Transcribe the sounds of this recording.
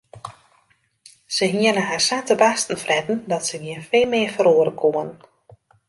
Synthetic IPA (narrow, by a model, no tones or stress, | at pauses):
səɦiənəɦarsaːtəbastən̩frɛtn̩dɔtsəʋiənfeːlˠmɪəfəɾoəɾəkʰoən